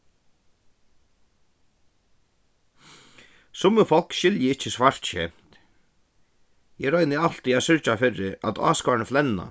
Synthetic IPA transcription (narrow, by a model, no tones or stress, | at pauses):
sʊmːəfɔl̥kʃɪljɪɪt͡ʃːɪsvaɹ̥t̪ɕɛ̰ːm̥t̪ | jɛɾɔjnɪal̥t̪iaðsʏɹt͡ʃafɪɾɪa̰t̪ɑ̰ːskɔːnəflɛnːa̰